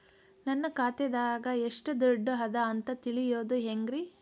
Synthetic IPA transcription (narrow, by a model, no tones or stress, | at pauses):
nɐnːɐkaːt̪ɛd̪aːɡɐeʂʈɐd̪ɔɖːɐɦɐd̪ɐːnt̪ɐt̪iɭijoːd̪uɦeŋɡɾi